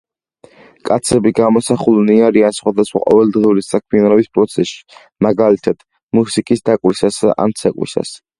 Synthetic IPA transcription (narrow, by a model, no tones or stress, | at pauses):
kʼat̪sʰɛbiɡamɔsaχulniaɾiansχwad̪asχwa̰qʼɔ̰vɛld̪ʁiuɾisakʰmianɔbispʼɾɔt̪sʰɛsʃi̥ | maɡalit̪ʰad̪̥ | musikʼisd̪akʼwisasa̰ʔa̰nt̪sʰakʼwḭsa̰s